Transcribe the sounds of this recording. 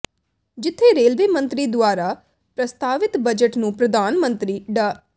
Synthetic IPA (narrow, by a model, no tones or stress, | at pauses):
d͡ʒɪt̪ʰːeːɾeːlʋeːmə̃nt̪ɾiːd̪ʊaːɾaː | pɾəst̪aːʋɪt̪bəd͡ʒəʈnũːpɾəd̪ʱaːnmə̃nt̪ɾiːɖaː